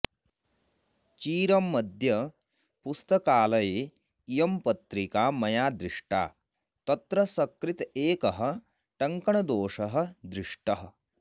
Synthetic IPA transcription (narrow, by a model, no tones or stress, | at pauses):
t͡ʃiːɾɐmːɐd̪ʱjɐ | pust̪ɐkaːlɐjeː | ijɐmpɐt̪ɾikaːmɐjaːd̪ɾɪʂʈa̰ː | t̪ɐt̪ɾɐsɐkɾit̪eːkɐɦɐ̆ | ʈɐŋkɐɳɐd̪oːʂɐɦɐ̆d̪ɾiʂʈɐɦɐ̆